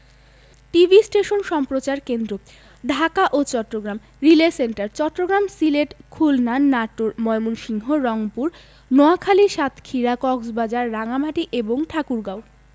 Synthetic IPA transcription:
ʈibʱisʈeʃonʃɔmpɾot͡ɕaɾkend̪ɾo | ɖʱakaʔot͡ɕɔʈːɾoɡɾam | ɾileseɳʈaɾt͡ɕɔʈːɾoɡɾamsileʈkʰulnanːaʈoɾmɔemunʃiŋɦoɾɔŋpuɾ | nɔakʰaliʃat̪ʰkʰiɾakɔksbad͡ʑaɾːaŋam̤aʈiʔeboŋʈʰakuɾɡaw

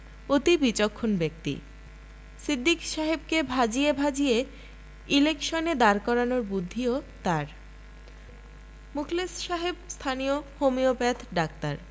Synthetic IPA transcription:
ot̪ibit͡ɕokʰːonbek̚t̪ḭ | sid̪ːikʃaɦeb̚kebʱad͡ʑiebʱad͡ʑie | ilekʃoned̪aɾkɔɾanoɾbud̪ʱːiot̪aɾ | mukʰlesʃaɦebst̪ʰaniohomiopɛt̪ʰɖak̚t̪aɾ

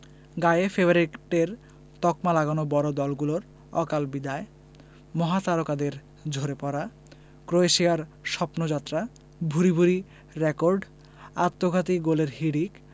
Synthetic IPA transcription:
ɡajefeboɾiʈeɾ | t̪ɔkmalaɡanobɔɾod̪ɔlɡuloɾ | ɔ̰kalbid̪ae | mɔɦat̪aɾokad̪eɾ | d͡ʑʱoɾepɔɾa | kɾoeʃiaɾʃɔpnod͡ʑat̪ːɾa | bʱuɾibʱuɾi | ɾekoɾɖ | at̪ːoɡʱat̪iɡoleɾhiɽik

